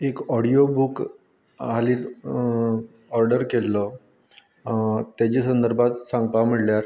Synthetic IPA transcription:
ekɔɽijobuk | ɦaliːt | ɔɾɖəɾkelːɔ | t̪jat͡ɕiːsənd̪əɾbʱat̪sãŋɡpam̤iɽljaɾ

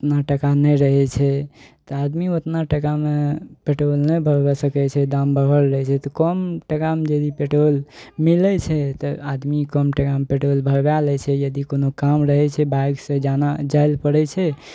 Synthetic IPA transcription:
ot̪naʈəkanɛjɾəɦɛt͡ʃʰɛt̪ɔad̪miot̪naʈəkamepeʈolnɛjbʱəɾbɛsəkɛt͡ʃʰɛd̪ambʱəɾəlɾəɦɛt͡ʃʰɛt̪ɔkɔmʈəkamed͡ʒəd̪ipeʈolmilɛt͡ʃʰɛt̪ɔad̪mikəmʈəkamepeʈolbʱəɾbjalɛt͡ʃʰɛjəd̪ikonokamɾəɦɛt͡ʃʰɛbaɡsə̃d͡ʒanad͡ʒajlpəɽɛt͡ʃʰɛ

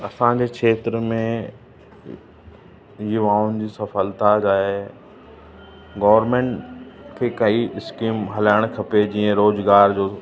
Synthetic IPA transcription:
ɐsãd͡ʑeːkʰeːt̪ɾəmẽ | jʊʋaːʊnd͡ʑiːsɐfəlt̪ad͡ʑaːɦe | ɡɔːʋəɾmẽːɳʈkʰekɐiɪskiːmɦɐlaːɪɽ̃kʰɐped͡ʑiːə̃ɾoːzɡaːɾd͡ʑoː

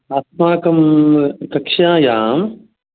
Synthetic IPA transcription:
aːt̪maːkɐmkɐkʃãːjaːm

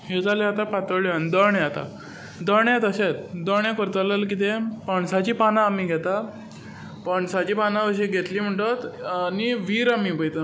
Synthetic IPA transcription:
ɦed͡zaleat̪apat̪əɭjand̪əɳẽat̪a̰ | d̪əɳet̪əɕet̪d̪əɳjẽkəɾt̪ələlk̬it̪epəɳsat͡ɕiːpanãːmiːɡʱɛt̪a | pəɳsat͡ɕiːpanaʋəɕiɡʱet̪liːm̤əʈət̪niʋiːɾamiːpəjt̪ə

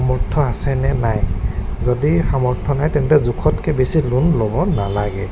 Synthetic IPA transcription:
amɔɹtʰːɔasɛnɛnajzodixamɔɹtʰɔnajtɛntɛzukʰɔtkʰɛbesilunlobɔnalaɡɛ

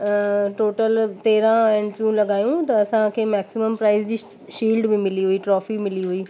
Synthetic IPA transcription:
ʈoːʈəlt̪eːɾãɛ̃ːɳɖpjũlɐɠaːjũt̪ɐɐsãkʰeːmɛːksɪməmpɾaːɪzd͡ʑiː | ʃiːlɖmɪ̃mɪliɦuiʈɾɔːfimɪliɦuiː

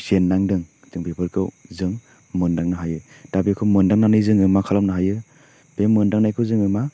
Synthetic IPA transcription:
senːaŋdɯŋ | z̥ɯŋpʰepʰɯɾkʰɯwzɯŋ | mɯndaŋnaɦajɯ | d̥abikʰɯwmɯndaŋnanɯjzɯŋɯmakʰalamnaɦajɯ | b̥emːɯndaŋnajkʰɯwzɯŋɯma

